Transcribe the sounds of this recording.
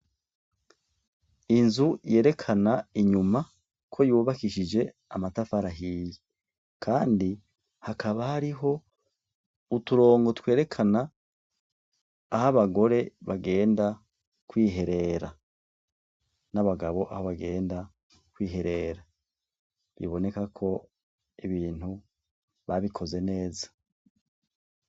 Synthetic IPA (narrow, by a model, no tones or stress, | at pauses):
inzuje̞ːɾe̞kʰanaiɲuma | kʰo̞juːβakiʃid͡ʒe̞ | amatafaɾaɦiːje | kʰaːndi | hakaβahaɾiɦo̞ | utuɾo̞ːŋɡo̞twe̞ːɾe̞kʰana | haβaɡo̞ɾe̞βaɡe̞ːnda | kwiːɦe̞ɾe̞ɾa | naβaɡaβo̞ʔa̰ho̞βaɡe̞ːnda | kwiːɦe̞ɾe̞ɾa | βḭβo̞ne̞kakʰo̞ | iβiːn̥hu | βaβikʰo̞ze̞ne̞ːzḁ